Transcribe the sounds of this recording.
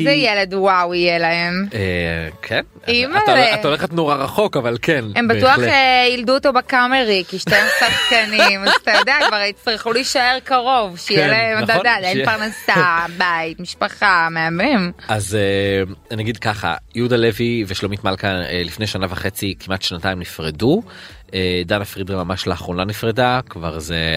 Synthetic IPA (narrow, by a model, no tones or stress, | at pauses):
zejeled̪uwawijelɐe̞mekʰen | imaeatoleχet̪noʁaʁaχo̞kavalkʰenembatuaχejilduot̪o̞bekameʁikiʃt̪aemsaχkanimazat̪ajod̪eakvaʁitt͡stʁiχuliʃae̞ʁkaʁo̞vʃejelaemd̪ad̪ad̪ajipaʁnasabait̪miʃpaχameamimazeanaɡid̪kaχa̰jud̪aleviveʃlomit̪malkaelifne̞jʃanavaχe̞t͡sikʰimʔat̪ʃnat̪aimnifʁedu | ed̪anafʁidemamaʃlaːχʁonanifʁedakva̰ʁze